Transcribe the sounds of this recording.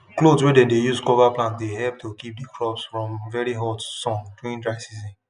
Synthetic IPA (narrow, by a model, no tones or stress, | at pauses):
klodswɛdɛ̃ndejuskɔvaplãntdeɦɛlp̚tʰokip̚dikɹɔpsfɹɔ̃mvɛɹiɦɔtsɔ̃ŋduĩndɹaɪsizĩn